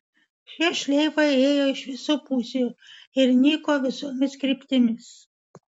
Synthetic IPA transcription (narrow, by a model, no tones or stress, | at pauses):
ʃʲiɛʃʲlʲɛɪʋɐɪeːjoːɪʃʋʲɪsuːpuːsʲeuːɪɾnʲiːkoːʋʲɪsoːmʲɪskɾʲipʲt̪ʲɪmʲɪs